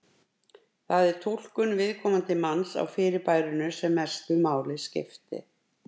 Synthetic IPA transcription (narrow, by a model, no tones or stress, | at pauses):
θaðɛɾ̥t̪ʰuwl̥kʏnvɪðkʰɔːmant̪ɪmansa̰wfɪːɾɪpaːjɾʏnʏsɛmːɛr̥st̪ʏmaːwlɪscɪ̰ft̪ɪ̰